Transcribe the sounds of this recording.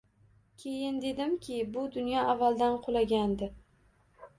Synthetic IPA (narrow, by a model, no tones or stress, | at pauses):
kʲʰe̞jɪnd̪e̞d̪ɪmkʲʰɪbʊd̪ʊnjɒavːalˠd̪anqʰolˠaɡʲand̪ɪ